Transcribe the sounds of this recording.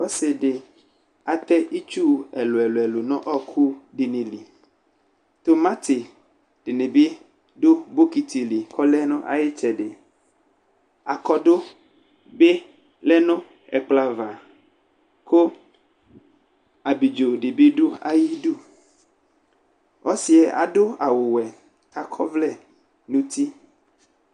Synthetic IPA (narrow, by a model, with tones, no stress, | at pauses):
wo˦se˨ɖe˨ | a˨t̪ɛ˦ʔi˦t͡ʃu˦ɛ˨lo˨ɛ˨lo˨ɛ˨lo˨nɔ̃˦ʔɔ˦kʰu˦ɖi˨nĩ˨li˨ | t̪o˦mã˦t̪e˨ | ɖ̥e˨ne˨be˦ | ɖo˦bo˦ki˦˨t̪i˨li˨kʰɔ˦lɛ˦nõ˦ʔa̰˨ji˦t͡ʃɛ˨ɖe˨ | a˨kɔ˦ɖo˦ | be˦ | lɛ˦nõ˦ | ɛ̰˨k͡pla˦va˨ | ko˦ | a˨bi˨d͡ʒo˨ɖe˨be˦ɖu˦a˦ji˦ɖu˦ | o˦si˨ɛ˨ʔa̰˨ɖo˦a˨wo˨wɛ˨ | ka˦kʰɔ˦vlɛ˦˨ | nũ˦t̪i˦